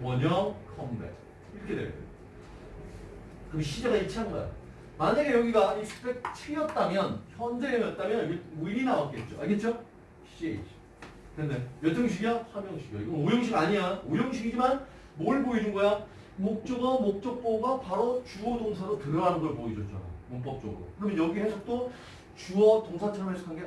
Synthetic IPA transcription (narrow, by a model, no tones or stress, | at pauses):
wʌɲʌŋkʰʌmbḛ | iɾʌkʰedḛo̰ | kɯɡɕʰid͡ʑaɡait͡ɕʰanɡa̰jo̰ | maɲaɡe̞jʌɡiɡaisʰu̥pek̚t͡ɕʰɯɡijʌt̚t͈amjʌnçjʌnd͡ʑeeŋjʌt̚t͈amjʌnɡemuiɾinawat̚k͈e̞t̚t͡ɕ͈oake̞t̚t͡ɕ͈o | ɕ͈iḛ | kendejʌt͡ɕ͈ʌŋɕ̬ʰiɡjʌsʰʌmjʌŋɕʰiɡijʌ̰iɡʌnojoŋɕ̬ʰiɡaɲiɲaojoŋɕʰiɡid͡ʑiman | moɭboid͡ʑuŋɡʌja | mok̚t͡ɕ͈ʌɡʌmok̚t͡ɕ͈ʌk̚p͈oɡapaɾot͡ɕuʌdoŋsʰadotɯɾʌɦanɯnɡʌɭpoid͡ʑʌt̚t͡ɕ͈a̰n̰momp̬͈ʌk̚t͡ɕ͈ʌɡɯ̰ɾo̰kɯɾʌmjʌnjʌɡiɦesʰʌt͈o | t͡ɕuʌtoŋsʰat͡ɕʰʌɾʌmaɭs͈ʰu̥kʰanɡe